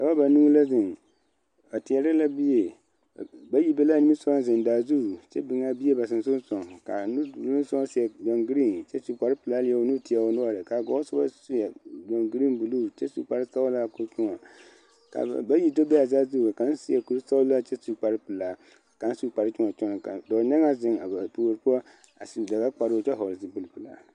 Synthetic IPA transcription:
sa˨ba˦ba˨nuː˦la˦zɪ˨n | ba˨tɪ˨ɛ˦ɾɪ˦la˦bi˦je˨ | ba˦ji˦bɛ˦la˦ni˦mi˦sɔ˦a˦zɪ˨n˨daː˨zu˦˨t͡ʃɛ˦bɪ˨ŋa˦bi˦e˦ba˨sɪ˨nsʊ˦sɔ˨ŋka̰˨nu˦du˨lsɔ˦a˦si˨ɛ˨d͡ʒɔ˨ŋɡi˦ɾi˦˨nt͡ʃɛ˦su˨k͡pa˨˦ɾɪ˦pɨ˨la˦lɪ˨˦ɛ˦o˨˦nu˦ti˨a˨o˨˦nʊ˦ɔ˨ɾɪ˨ka˨ɡɔ˨˦sʊ˦ba˦su˦ja˨d͡ʒɔ˨ŋɡi˨ɾi˦bu˨lu˦˨t͡ʃɛ˦su˦k͡pa˨ɾɨ˦sa˦ʊ˦la˦ko˦t͡ʃʊ˦ŋɔ˨ | ka̰˨ba˦ji˦do˦bɛ˦a˨za˦zu˦˨ka˨˦n˦si˦ɛ˨ku˨ɾsa˦ʊ˦la˦t͡ʃɛ˦su˦˨k͡pa˨ɾɨ˦pɨ˨la˨ | ka˨˦n˦su˦k͡pa˨ɾɨ˦t͡ʃʊ˦ŋɔ˨t͡ʃɔ˦n˨ka̰˨dɔ˨nɛ˦ŋa˦zɪ˨ŋa˨ba˨pu˨ɾpu˦ɔ˦ | a˨sda˨ɡa˦k͡pa˨ɾo˦˨t͡ʃɛ˦ɦɔ˨lsi˨˦bɨ˨lpɨ˨la̰˨

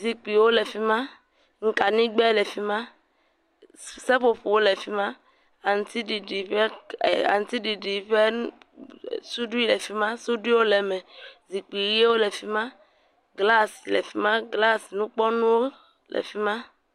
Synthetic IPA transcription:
zi˨k͡pi˨wo˦le˨fi˦mã˦ | ŋ̩˨ka˨nĩ˦ɡ͡bɛ˦lɛ˨fi˦mã˦ | se˦ɸo˨ɸu˨wo˦lɛ˨fi˦mã˦ | a˨ŋ˨t̪i˦ɖi˨ɖi˨ɸe˦˨a̰˨ŋ˨t̪i˦ɖi˨ɖi˨ɸe˦ | su˦ɖu˦i˦lɛ˨fi˦mã˦su˦du˦i˦wo˦lɛ˨mɛ˨zi˨k͡pi˨je˦wo˦lɛ˨fi˦mã˦ | ɡla˦si˨lɛ̰˨fi˦mã˦ɡla˦si˨nũ˦k͡pɔ˦nũ˦wo˦ | lɛ̰˨fi˦mã˦

